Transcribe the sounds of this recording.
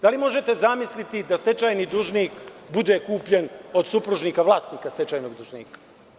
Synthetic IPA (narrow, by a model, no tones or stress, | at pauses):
d̪alimo̞ʒe̞t̪e̞zamislit̪id̪ast̪et͡ʃaːjnid̪uːʒniːkbud̪ekuːpʎeno̞d̪supɾuʒniːkaʋlˠaːst̪niːkast̪et͡ʃajnoɡd̪uʒniːkḁ